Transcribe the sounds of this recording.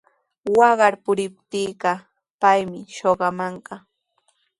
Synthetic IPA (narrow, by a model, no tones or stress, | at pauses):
wɑɢɑɾpʊɾɪp̚t̪iːɢɑ | pajmɪʃoɢɑmɑɴɢɑ